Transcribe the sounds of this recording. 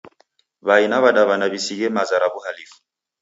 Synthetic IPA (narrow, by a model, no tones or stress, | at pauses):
βainaβaɗaβanaβisiɣɛmazaɾaβuhalifu̥